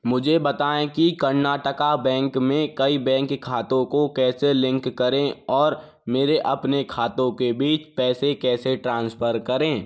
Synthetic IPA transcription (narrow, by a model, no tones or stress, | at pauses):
mʊd͡ʒʱebɐt̪aːẽkikɐɾnaːʈəkabɛ̃ːŋkmẽkɐibɛ̃ːŋkʰːaːt̪õkokɛːselɪ̃ŋkːɐɾẽɔːɾ | meːɾeʔɐpnekʰaːt̪õkebiːt͡ʃpɛːsekɛːseʈɾãːnspʰəɾkɐɾẽː